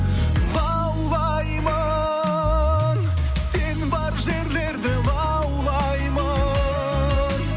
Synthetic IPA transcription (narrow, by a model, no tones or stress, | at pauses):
lˠɑ | wlˠɑ | jmɑ | n | se̞nbɑɾʒe̞ɾle̞ɾd̪ɪlˠɑ | wlˠɑ | jmɑ